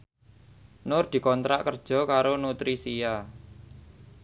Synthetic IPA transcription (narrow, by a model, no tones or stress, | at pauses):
nʊrd̪̥i̤kɔnt̪ɾa̰ʔkərd̥ʒ̥ɔ̤kaɾonut̪ɾisija